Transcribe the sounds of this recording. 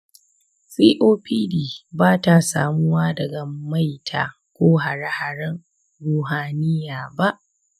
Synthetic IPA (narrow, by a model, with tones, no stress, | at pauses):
siː˦ʔoː˦pʰiː˦diː˨baː˦ta˨sa̰ː˨mʊ˦waː˦dɐ˨ɡa˨ma˦jtʰa̰ː˨ | kʷoː˦ɦa˨ɽa˦ha˨ɽɐ˦ŋ | ɾuː˨ɦaː˨nɪ˦jaː˨ba˦ʔ